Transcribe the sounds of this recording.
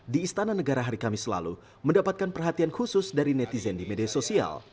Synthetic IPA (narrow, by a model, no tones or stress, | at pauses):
diːst̪ananəɡaɾaɦaɾikamisəla̰lṵ | məndapat̪̚kanpərɦat̪iankusʊsdaɾinɛt̪izɛndimediasosia̰l